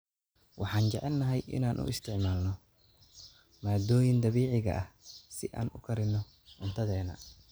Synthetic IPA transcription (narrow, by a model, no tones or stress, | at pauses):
wʔɑħɑːnt͡ʃɛʕɛlnɐɦɛjɪ̰naːnʔʊ̰ʔɪst̪ʰɪʕmaːlnɔ | maːd̪ɔːjɪnd̪ɐβiːʕɪɣɐ̰ʔɐhsɪʔa̰ːnʔʊkʰɐɾɪnːɔ | ʊnt̪ʰɐðɛːnɐ